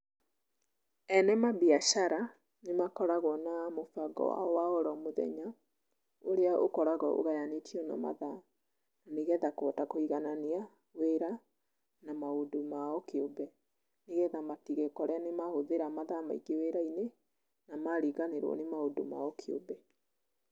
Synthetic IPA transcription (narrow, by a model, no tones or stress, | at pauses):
ɛnɛmabiaʃaɾa | nemakɔɾaɣwɔnamofaɡɔ̰a̰waɔɾɔmoðɛ̰ɲa | oɾeaʔokɔɾaɣɔʔo̰ɣajanetiɔnɔ̰ma̰ða | naneɣɛðakɔtakoiɣanania | weɾa | namaodomaɔkeobɛ | neɣɛðamatiɣekɔɾeanemahoðeɾamaðama̰iɡeweɾaine | namaɾiɣaneɾwɔ̰nemaodo̰ma̰ɔkʰeo̰bɛ